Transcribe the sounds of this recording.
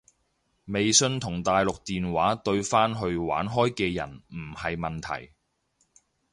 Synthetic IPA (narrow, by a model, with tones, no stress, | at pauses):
me˨jsɵ˧nt̪ʰʊ˨˩ŋt̪aː˨jlʊ˨k̚t̪iː˨nwaː˨˥t̪ɵ˧ɥfaː˥nɦɵ˧ɥwa̰ː˨˥nɦɔː˥jkɛː˧jɐ̰˨˩nm̩˨˩hɐ˨jmɐ˨nt̪ʰɐ̰˨˩j